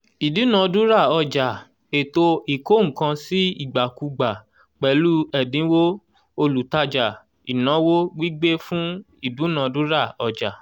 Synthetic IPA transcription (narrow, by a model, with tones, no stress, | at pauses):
i˨du˨˦nã˨du˦ɾa˦˨ɔ˧d͡ʒa˨ | e˨to˧i˨ko˦˨ŋ̩̃˨kã˧si˦i˦˨ɡ͡ba˨ku˧ɡ͡ba˨ | k͡pɛ˨lu˦ɛ˨dĩ˨˦wo˦ | o˧lu˨ta˧d͡ʒa˨ | i˨nã˨˦wo˦ɡ͡bi˦ɡ͡be˦fũ˦ | i˦˨du˨˦nã˨˧dũ˦ɾa˦˨ɔ˧d͡ʒa˨